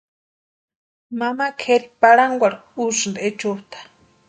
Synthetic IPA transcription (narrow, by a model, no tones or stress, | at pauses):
mamakʰeɾipaɽaŋɡʷaɽuʃnd̪et͡ʃut̪ḁ